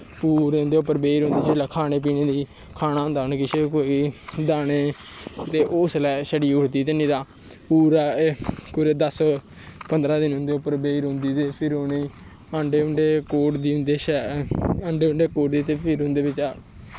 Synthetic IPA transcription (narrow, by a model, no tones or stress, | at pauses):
puːɾeːʊnd̪eːʊpːəɾbeːiɾɦʊ̃nd̪iːd͡ʒeːlaːkʰaːneːp̬iːneːd̪iː | kʰaːnaːɦʊ̃nd̪aːʊnkɪʃekoːid̪aːneːt̪eːʔoslɛːʃəɖiːʊʈt̪iːt̪enĩːd̪aː | puːɾɛːkʊɾeːd̪əs | pənd̪ɾaːd̪ɪnɦʊ̃nd̪eːʊpːəɾbeːiɾɦʊ̃nd̪iːt̪eːpʰɪɾonei | aːɳɖeːʊɳɖeːkoːʈd̪iːʊ̃nd̪eːʃɛãːɳɖeːʊɳɖeːkoːʈd̪iːt̪eːpʰɪɾɦʊ̃nd̪eːbɪt͡ʃː